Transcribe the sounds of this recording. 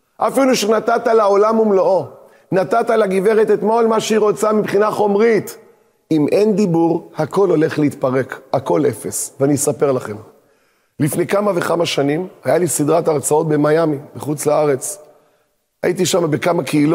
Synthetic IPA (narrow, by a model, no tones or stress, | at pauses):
ʔafiluʃenat̪at̪alao̞lamumloʔo | nat̪at̪alaɡive̞ʁet̪et̪mo̞lmaʃeiʁo̞t͡samibχinaχo̞mʁit̪ | imʔe̞nd̪ibuʁhako̞lo̞le̞χleit̪paʁe̞kako̞le̞fe̞sveanisape̞ʁlaχe̞m | lifnejkamave̞χamaʃanimajalisid̪ʁat̪aʁt͡sao̞t̪̚be̞majamimeχut͡slaaʁe̞t͡s | a̰it̪iʃamabekamakʰeilo